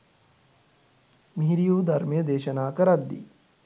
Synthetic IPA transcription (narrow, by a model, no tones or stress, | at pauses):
miɦɾijuːd̪ʱɐɾmjɐd̪eːʃɐnaːkɐɾɐd̪ːḭ